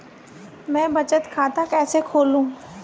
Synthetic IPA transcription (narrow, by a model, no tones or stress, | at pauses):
mɛ̃ːbɐt͡ʃət̪kʰaːt̪akɛːsekʰoːlũː